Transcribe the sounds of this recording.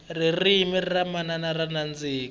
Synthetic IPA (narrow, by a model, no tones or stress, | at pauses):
ririmiriramananaɾanand͡ziːk